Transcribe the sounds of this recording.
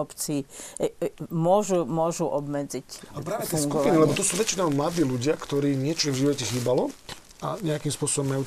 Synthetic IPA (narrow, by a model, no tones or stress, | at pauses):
ɔpt͡si | mʊɔʒumʊɔʒuʔɔbmɛd͡zicapɾaːɛt̪ɛɛsɡkupinilɛbɔt̪ɔsuːʋɛt͡ʃinɔmlad̪iːluɟɪakt̪ɔɾiːɲɪɛt͡ʃɔvʒiʋɔcɛxiːbalɔ | aɲɛakiːmspʊɔsɔbɔmajuː